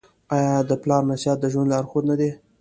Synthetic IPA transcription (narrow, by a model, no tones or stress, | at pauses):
ɑjɑd̪əplɑɾnasjɑt̪̚d̪əʒwand̪lɑɾxod̪nad̪e